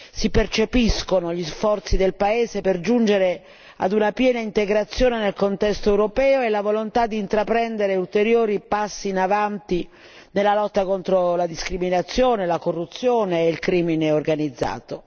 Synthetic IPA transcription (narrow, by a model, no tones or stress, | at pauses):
sipert͡ʃepiskonoʎisfɔrt̪sid̪elpaeːzeperd͡ʒund͡ʒeɾe | a̰d̪unapjɛːnaint̪eɡɾat̪sːjoːnenelkont̪ɛst̪oɛwɾopɛːoelavolont̪ad̪ːiːnt̪ɾapɾɛnd̪eɾeult̪eɾjoːɾipasːiːnavant̪i | nelːalɔt̪ːakont̪ɾolad̪iskɾiminat̪sːjoːnelakorːut̪sːjoːneːilkɾiːmineorɡanid̪zːa̰ːt̪o